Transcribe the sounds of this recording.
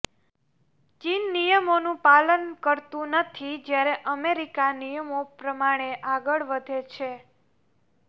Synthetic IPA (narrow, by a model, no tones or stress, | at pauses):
t͡ʃinːijəmonũpalənkəɾt̪ũnət̪ʰid͡ʒjaɾeʔəmeɾikanijəmopɾəmaɽ̃eʔaɡəɭʋəd̪ʱet͡ʃʰe